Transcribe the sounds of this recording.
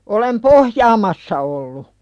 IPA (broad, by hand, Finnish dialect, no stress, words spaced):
olem pohjɑːmɑsːɑ olːu